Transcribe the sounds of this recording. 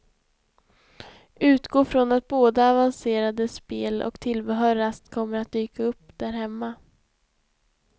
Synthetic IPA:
ʉ̟ːt̪ɡoːfɾɔnat̪̚boːd̪aːvanseːɾad̪əspeːlʔɔ̰kt̪ʰɪlbəɦœːɾast̪kʰɔmːəɾat̪̚d̪yːkaɵpːd̪̥æɾɦɛmːa

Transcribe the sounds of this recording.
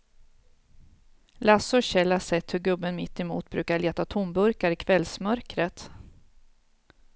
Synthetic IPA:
lasɔɕɛlːasɛt̪ːhɵɾɡɵbːənmɪt̪ːɛmṵːt̪̚bɾʉ̟ːkaɭeːt̪at̪ʰʊmbɵɾkaɾɪkʰvɛlsmœɾkɾət̪

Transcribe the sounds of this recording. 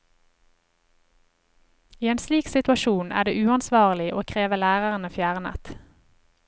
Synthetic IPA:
iːeːnsliːksɪt̪ʉɑʃuːnæ̰ːd̪eːʔʉːɑnsʋɑːʁəlɪʔoːkʰʁeːʋəlæːʁəʁənəfjæːʁənæ̰t̪

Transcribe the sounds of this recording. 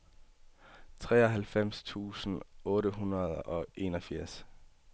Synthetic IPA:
t͡sʰʁɛ̰ːɒ̽ɦælfem̰st͡sʰṵːsn̩ɔ̽ːɾəɦunʁɐð̞ˠɒ̽ʔe̝ːnɒ̽fiɐ̰s

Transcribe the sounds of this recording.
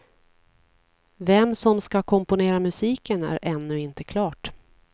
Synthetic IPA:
vɛmsɔmskakʰɔmpʊneːɾamɵsiːkənæ̰ɾɛnːɵɪnt̪əkʰlɑːʈ

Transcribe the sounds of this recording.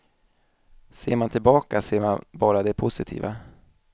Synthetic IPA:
seːɾmant̪ʰɪlbɑːkaseːɾmanbɑːɾad̪ɛpʰʊsɪt̪ʰḭːva

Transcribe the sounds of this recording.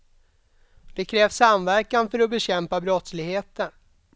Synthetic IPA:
d̪̥ɛkʰɾɛːfsːamvæɾkanfœɾɔbɛɕɛmpabɾɔt̪slɪɡheːt̪ən

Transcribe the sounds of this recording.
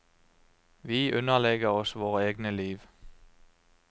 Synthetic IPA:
ʋiːʔʉnəʁlɛɡəʁɔsʋoːʁəeːɡnəliːʋ

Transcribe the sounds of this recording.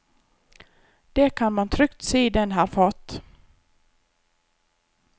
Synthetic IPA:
d̪̥ɛkʰanmant̪ʰɾʏkt̪seːd̪ɛnɦæːɾfɑːt̪

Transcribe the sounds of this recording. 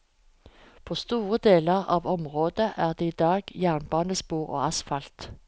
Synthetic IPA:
pʰoːst̪uːʁəd̪eːləʁɑ̰ːʋɔmʁoːd̪əʔæːʁd̪eːiːd̪ɑːɡjæːʁnbɑːnəspuːʁo̰ːɑsfɑlt̪

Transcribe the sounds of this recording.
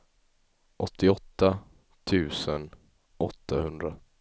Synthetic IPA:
ʔɔt̪ʰːɪɔt̪ːa | t̪ʰʉ̟ːsən | ʔɔt̪ʰːahɵnd̪ɾa

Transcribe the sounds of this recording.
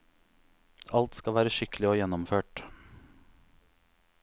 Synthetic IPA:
ɑlt̪skɑʋæːɾəʃɪkəlɪoːjɛnɔmføːʈ

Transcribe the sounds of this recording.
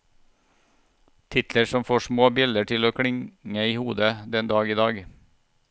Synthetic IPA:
t̪ʰɪt̪ləʂɔmfoːʂmoːbɪld̪əʈʰɪloːkʰɽɪŋəiːhuːd̪əd̪ɛnd̪ɑːɡiːd̪ɑːɡ

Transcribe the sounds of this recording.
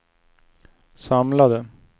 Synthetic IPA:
sɑmlad̪ə

